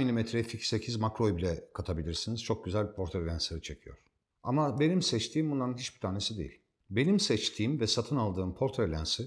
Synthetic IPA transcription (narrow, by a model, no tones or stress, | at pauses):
milʲimɛt̪ʰɾɛficse̞cʰizmakɾo̞jbilʲɛkʰat̪ʰabilʲiɾsiniz̥t͡ʃʰo̞k̚ɟyzælʲpʰo̞ɾt̪ʰaɾlʲænsˠaɾɯt͡ʃʰe̞cʰijo̞̰ɾ̥ | a̰mabe̞nimsɛt͡ʃt̪ʰiːmbunˠaɾɯnɦit͡ʃbi̥t̪ʰaːne̞sid̪e̞̰ḭlʲ | be̞nimsɛt͡ʃt̪ʰiːmvɛsat̪ʰɯnalˠd̪ɯːmpʰo̞ɾt̪ʰaɾlʲænsi